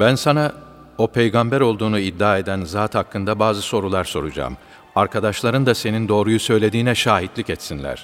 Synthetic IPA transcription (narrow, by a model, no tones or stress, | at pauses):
bænsana | o̞pʰejɡambæɾo̞lˠd̪uːnuid̪ːaːe̞d̪ænzaːt̪hakːɯnd̪abaːzɯso̞ɾulˠaɾso̞ɾud͡ʒa̰ːm | aɾkʰad̪aʃlˠaɾɯnd̪ase̞nind̪o̞ːɾujusø̞jlʲe̞d̪iːnɛʃaːɦit̪lʲicɛt̪sinlʲæ̰ɾ̥